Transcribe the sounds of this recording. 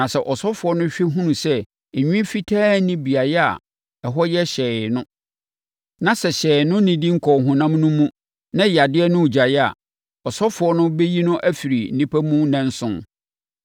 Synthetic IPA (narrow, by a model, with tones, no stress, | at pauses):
nã˨sɛ˨ʔɔ˨sɔ˦fʊ˨ɔ˦nʊ̃˦ɕᶣi˦ɦũ˦nũ˨sɛ˦ | e˨ɲᶣĩ˦fi˦tʰaː˦nĩ˦bi˨a˨jɛ˦a̰˨ | ɛ˨ɦɔ˦jɛ˦ɕɛː˨nʊ̃˦ | nã˨sɛ˨ɕɛː˨nʊ̃˦nĩ˨di˦ŋ̩˦kʰɔ˨ɦʊ̃˨nã˦m˦nʊ̃˦mũ˦ | nã˦ja˨dɪ˦ɛ˦nʊ̃˦u˨d͡ʑa˨jɛ˦a̰˨ | ɔ˨sɔ˦fʊ˨ɔ˦nʊ̃˦bɛ˦ji˦nʊ̃˦ʔæ˦fi˨ɾi˨n̩˨nĩ˦pʰæ˦mũ˦nɛ̃˦n̩˦sʊ̰̃˦n